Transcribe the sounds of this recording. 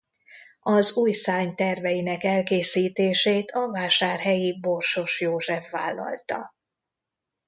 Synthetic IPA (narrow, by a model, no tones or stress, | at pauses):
ɒzuːjsaːɲt̪ɛrvɛjinɛkɛlkeːsiːt̪eːʃeːt̪ʰɒvaːʃaːrɦɛjiborʃo̞ʃjoːʒɛfːa̰ːlːɒ̰lt̪ɒ̰